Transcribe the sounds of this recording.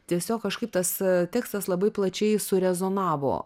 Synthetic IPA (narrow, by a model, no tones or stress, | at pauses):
t̪ʲiɛsʲoːkkɐʃkɐɪp̚t̪ɐst̪ʲæːkst̪ɐslˠɐbɐɪplˠɐt͡ʃʲɛɪsʊɾʲɛzoːnɑːʋo̰ː